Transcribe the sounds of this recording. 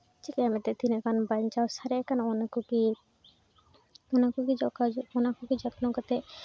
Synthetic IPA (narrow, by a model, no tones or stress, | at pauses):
tikiamɛt̪ɛt̪inɛkanbaɲt͡ʃawsaɾɛkanɔnakuki | ɔnakukid͡ʒɔkaɔnakukid͡ʒɔt̪nɔkat̪ɛ